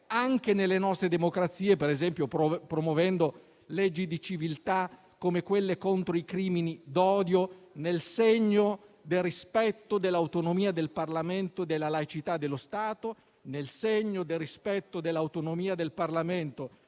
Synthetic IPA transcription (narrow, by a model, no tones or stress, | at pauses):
aŋk̟enelːenɔst̪ɾed̪emokɾat̪sːiːepeɾezɛmpjopopɾomovɛnd̪o | lɛd͡ʒːid̪it͡ʃivilt̪a | kːomekwelːekont̪ɾoikɾiːminid̪ɔːd̪jonelseɲːod̪erispɛt̪ːod̪elːawt̪onomiːad̪elparlament̪od̪elːalajt͡ʃit̪ad̪ːelːost̪aːt̪o | nelseɲːod̪erːispɛt̪ːod̪elːawt̪onomiːad̪elparlament̪o